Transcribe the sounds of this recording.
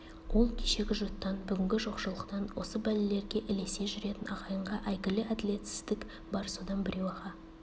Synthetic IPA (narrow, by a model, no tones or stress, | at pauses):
wʔo̞lˠkʲʰeʃe̞ɡʲɪʒot̪ːɑnbʏɡʲɪŋɡʲɪʒo̞qʃəlˠəqt̪ɑnwo̞̰səbælɪle̞ɾɡʲe̞ʔɪle̞se̞ʒʏɾe̞t̪ɪnɑʁɑjəɴʁɑʔæjɡʲɪlɪæd̪ɪlʲe̞t̪sɪ̥zd̪ɪk | bɑɾso̞d̪ɑnbɪɾe̞wɑʁɑ